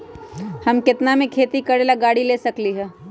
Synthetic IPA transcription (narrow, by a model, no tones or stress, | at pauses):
hɐmkɪt̪namẽkʰeːt̪ikɐɾeːlaɡaːɽileːsɐkliɦɛː